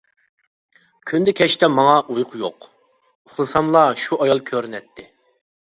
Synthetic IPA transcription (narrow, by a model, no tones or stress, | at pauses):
kʲʰynd̪ɛkʲʰɛt͡ʃt̪ɛmɑŋɑʔujqʰʊjoq | uχlˠɨsɑmlˠɑʃuʔɑjɑlˠkʲʰøɾnɛt̪ʰːɪ